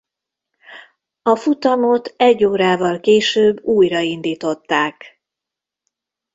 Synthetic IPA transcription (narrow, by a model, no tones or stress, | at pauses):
ɒfut̪ɒmo̞t̪ɛɟːoːɾaːvɒlkeːʃøːbːuːjrɒind̪iːt̪o̞t̪ːaːk